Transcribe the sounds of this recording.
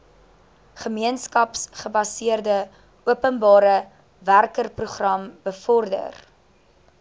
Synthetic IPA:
χəmiənskɐpsχəbɐsiərdə | uəpənbɑːɾə | værkərpruχrɐmb̥əfɔrdə̰r

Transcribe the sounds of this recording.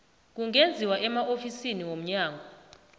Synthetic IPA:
k̬uŋʱend͡zʱiwaʔɛmaʔofisiniwom̩ɲaːŋʱɔ

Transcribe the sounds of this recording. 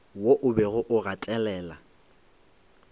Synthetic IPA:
woʔʊbɛɣʊʔʊɣatʼɛlɛːla

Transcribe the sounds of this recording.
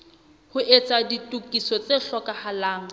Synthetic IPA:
hʊʔet͡sʼaditʼukʼisɔt͡seɬɔkʼahalaːŋ̩

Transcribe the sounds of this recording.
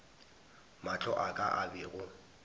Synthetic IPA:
mat͡ɬʰɔʔakʼa̰ʔabɪɣʊ

